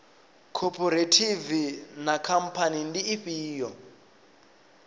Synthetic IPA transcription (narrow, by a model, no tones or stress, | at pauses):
kʰɔpʰɔɾetʰivinakʰam̩pʰanindiːɸiːjɔ